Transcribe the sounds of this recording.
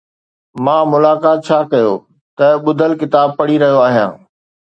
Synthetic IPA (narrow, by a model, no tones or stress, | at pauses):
mãːmʊlaːkaːt̪̚t͡ɕʰaːkɐjo | t̪ɐɓʊd̪ʱəlkɪt̪aːb̚pɐɽiɾɐɦijoaːɦijã̰ː